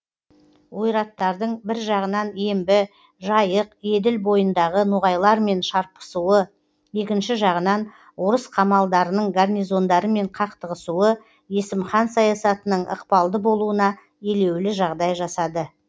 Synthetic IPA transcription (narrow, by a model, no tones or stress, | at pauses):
wo̞jɾɑt̪ːɑɾd̪əɴbɪɾʒɑʁənɑnembɪ | ʒɑjəqe̞d̪ɪlbo̞jənd̪ɑʁənʊʁɑjlˠɑɾme̞nʃɑɾpə̥suwə | je̞kʲɪnʃɪʒɑʁənɑn | woɾəsqʰɑmɑlˠd̪ɑɾənəɴɡarnʲijzo̞nd̪ɑɾəme̞ɴqʰɑqt̪əʁəsuə | jesɪmχɑnsɑjɑsɑt̪ənəɴʔə̰qpɑlˠd̪əbo̞lˠuənɑ | e̞le̞wlɪʒɑʁd̪ɑjʒɑsɑd̪ə